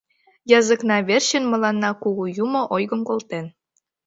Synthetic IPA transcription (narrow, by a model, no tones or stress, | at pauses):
jɑzə̆knɑβerɕənmə̆lɑnːɑkuɣujumŏʔojɣəmkolt̪en